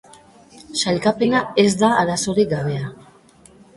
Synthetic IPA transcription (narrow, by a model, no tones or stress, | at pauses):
ʃaʎkape̞naezd̪aːɾaso̞ɾiɡaβ̞e̞a